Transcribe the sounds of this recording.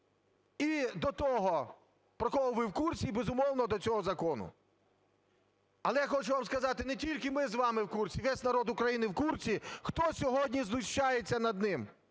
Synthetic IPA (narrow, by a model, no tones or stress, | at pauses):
id̪ɔt̪ɔɦɔ | pɾɔxɔɦʊʋɪwkursʲibezʊmɔwnɔd̪ɔt͡sʲɔɦɔzɐkɔnʊ̰ | ɐlˠɛjaxɔt͡ʃʊʋamskɐzɑt̪ɪnetʲilʲkɪmɪzʋɑmɪwkurt͡sʲiʋɛsʲnɐɾɔd̪ʊkɾɐjinɪwkurt͡sʲixt̪ɔsʲɔɦɔdʲnʲiznʊʃt͡ʃajet͡sʲːɐnɐd̪nɪm